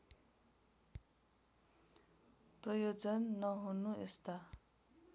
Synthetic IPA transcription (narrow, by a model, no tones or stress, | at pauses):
prʌjod͡zʌnːʌɦunuest̪a